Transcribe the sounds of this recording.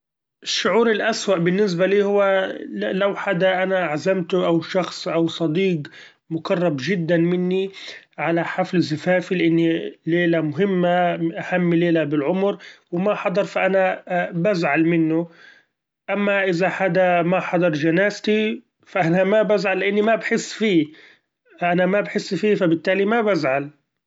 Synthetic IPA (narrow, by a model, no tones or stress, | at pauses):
ʔɪʃːʊʕuːɾɪlʔaswaʔbɪnːɪs̬baliːhʊwːalawħad̪aʔanaʕazamt̪ʔawʃɑxsˤʔawsˤɑd̪iːq | mʊkɑrˤːɑbʒɪd̪ːanmɪnːi | ʕalaħaflzɪfaːfilɪʔɪnːileːlamʊɦɪmːaʔahamːleːlabɪlʕʊmɾwɪmaħɑd̪ˤɑɾˤfaʔanabazʕalmɪnːʊ | ʔamːaʔɪzaħad̪amaħɑd̪ˤɑɾˤʒanaːst̪i | faʔanamabazʕalːɪʔanːimabħɪsːfiː | ʔanamabħɪsːfiːfabɪt̪ːaːlimabazʕal